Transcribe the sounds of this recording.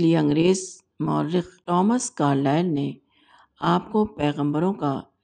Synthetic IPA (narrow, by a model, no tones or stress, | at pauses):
lieɐ̃ŋɡɾeːz | mɔːɾːɪxʈɔːməskaːɾlaːɪlne | aːp̚kopɛːɣə̃mbəɾõka